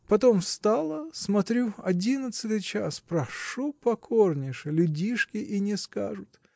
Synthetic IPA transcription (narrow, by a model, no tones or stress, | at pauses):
pɐt̪o̞mfst̪alˠəsmɐt̪ɾʲuɐdʲinət̪sɨt̪ɨjt͡ɕaspɾɐʂupɐkʰornʲɪʂɨlʲʊdʲiʂkʲɪʔinʲɪska̰ʐʊt̪